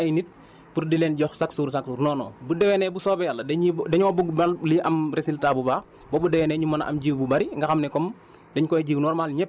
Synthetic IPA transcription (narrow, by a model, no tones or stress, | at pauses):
ɐjnit̚ | purdilɛnɟɔxsaksuːɾsaksuːrnɔːnɔ̰ːbudɛwɛnɛbusɔːbɛjalːɐdɛɲidɛɲɔːbuɡbɐlliʔɐmresiltabubaːx | bɔbudɛwɛnɛɲumɐnʔɐ̰mɟiːwbubɐɾiŋɡɐxɐmnɛkɔm | dɛɲkɔɟiːwnɔːrmaːlɲɛp̚